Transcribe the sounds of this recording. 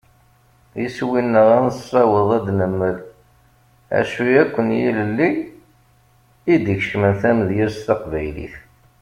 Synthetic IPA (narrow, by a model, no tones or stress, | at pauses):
iswinːəʁænsˤɑwəðˤæd̪nəmːəɾ | æ̰ʃujækʷːənjḭləlːi | id̪içʃmənθæmðjiɾst̪ɑqvæjlḭθ